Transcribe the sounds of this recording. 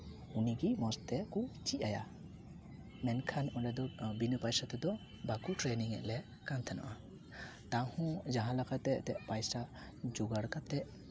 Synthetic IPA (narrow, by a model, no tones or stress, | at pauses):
uniɡimɔst̪ɛkut͡ʃiʔaja̰ | mɛnkʰanɔlɛd̪ɔbinəpajsat̪ɛd̪ɔ | bakuʈɾeniŋɛ̰ʔlɛ | kant̪ʰana̰ʔa | t̪ãhɔ̃d͡ʒaɦãlakʰat̪ɛt̪ɛʔpajsa | d͡ʒuɡaɽkat̪ɛʔ